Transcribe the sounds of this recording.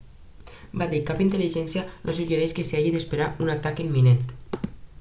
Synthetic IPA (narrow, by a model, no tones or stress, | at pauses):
badikapint̪eliʒɛnsjanʔosuʒeɾeskeseaʒiðespeɾaunat̪akimːinent̪